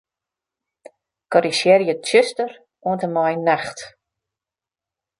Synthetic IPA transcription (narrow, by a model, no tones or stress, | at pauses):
kɔɾisjɛrjətjøstər | uəntəmɔjnaxt